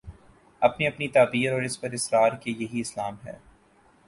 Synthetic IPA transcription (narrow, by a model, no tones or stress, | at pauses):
ɐpniɐpnit̪aːbiːɾɔːɾɪspɐɾɪsɾaːɾkejɐɦiɪslaːmɦɛ̰ː